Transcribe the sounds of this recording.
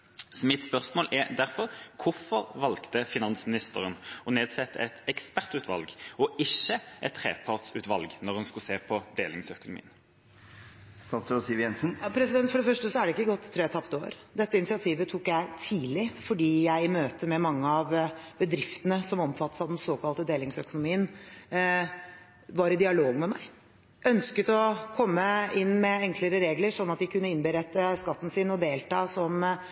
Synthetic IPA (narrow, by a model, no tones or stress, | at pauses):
sɔmɪt̪spœʁsmoːlʔɛɾd̪æʁfɔʁkʰʊfɔʁʋɑlkt̪əfɪnɑnsmɪnɪst̪əʁənɔneːd̪sɛt̪ːə̰ɛt̪ɛkspæʁt̪ʉːt̪ʰʋɑ̰lɡɔɪçːəʔɛt̪ʰːʁḛːpʰɑʁt̪sʉ̰ːt̪ʋɑlɡnɔʁhʉnskʉseːpʰɔd̪eːlɪŋsœkʊnʊmḭːən | st̪ɑːt̪sʊsiːʋjɛnsn̩pʰɾɛsɪd̪ɛnt̪fɔɖɛfœʂʈəsɔæɖɛɪkːəɡɔt̪ʰːɾeːt̪ʰɑpt̪o̰ːɾd̪ɛt̪ːəɪnɪsɪɑt̪ʰiːʋət̪ʰuːkjæɪt̪ʰiːlɪfɔɖiːjæɪɪmøːt̪əmɛmɑŋːəɑʋbəd̪ɾɪft̪ənəsɔmɔmfɑt̪ːə̥sɑd̪ɛnsoːkʰɑlt̪əd̪eːlɪŋsœkʊnʊmiːən | ʋɑɾɪd̪ɪɑloːɡmɛmæɪ | ʔœnskət̪ɔkʰɔmːəɪnːmɛɛŋkʰləɾəɾeːɡləɾʂɔnːɑt̪̚d̪ɪkʉnːəɪnbəɾɛt̪ːəskɑt̪ːn̩sɪnɔd̪eːlt̪ɑːsɔm